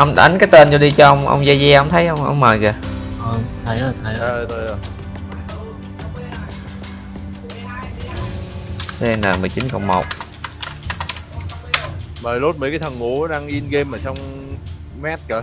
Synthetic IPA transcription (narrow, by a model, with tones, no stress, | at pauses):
ʔə˧wŋ͡mɗa̰˨˦ŋkaː˨˦jt̪eː˧nzo˧ɗi˧t͡ɕɔ˧ʔə˧wŋ͡mʔə̰˧wŋ͡mzaː˧zɛ˧ʔə˧wŋ͡mt̪ʰə˨˦jʔə˧wŋ͡mʔə̰˧wŋ͡mməː˨˩jɣəː˨˩ʔə˨˧˩t̪ʰə˨˦jəː˨˩jt̪ʰə˨˦jt̪o˧jə˧˩ | sɛ˧nəː˨˩mɨ˨˩jt͡ɕi˨˦nkɔ̰˨˧˩wŋ͡mmo˨˩k͡p̚ | məː˨˩lo˦˥t̚mḭ˧˥˦kaː˨˦jt̪ʰə˨˩ŋŋu˧˩˦ɗaː˧ŋʔi˧ənɣe˧mʔəː˨˩sɔ˧wŋ͡m | mɛː˦˥t̚kaː˧˩